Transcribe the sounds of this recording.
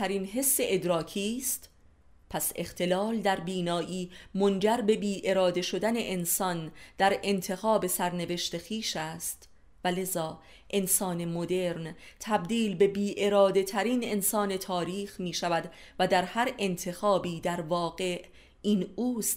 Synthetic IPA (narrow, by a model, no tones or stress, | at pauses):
æɾiːnɦe̞sːe̞ʔed̪ɾɒːkʰiːst̪ | pʰæse̞xt̪ʰe̞lɒːld̪æɾbiːnɒːʔiːmo̞nd͡ʒæɾbe̞biːʔe̞ɾɒːd̪e̞ʃo̞d̪æne̞ʔensɒnd̪̥æɾe̞nt̪ʰe̞xɒːbe̞sæɾne̞ve̞ʃt̪e̞xiːʃæːst̪ | væle̞zɒː | ʔe̞nsɒːne̞mod̪e̞ɾnt̪ʰæbd̪iːlbe̞biːʔe̞ɾɒːd̪e̞t̪ʰæɾiːne̞nsɒːne̞t̪ʰɒːɾiːxmiːʃævæd̪ | væd̪æɾhæɾe̞nt̪ʰe̞xɒːbiːd̪æɾvɒːɣe̞ʔ | iːnuːst̪